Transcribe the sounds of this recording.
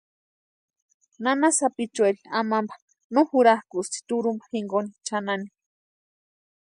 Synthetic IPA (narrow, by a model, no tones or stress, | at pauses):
nanasapit͡ʃweɾiamambḁ | nuhuɾahkust̪i̥t̪uɾumbḁxiŋɡonit͡ʃanani̥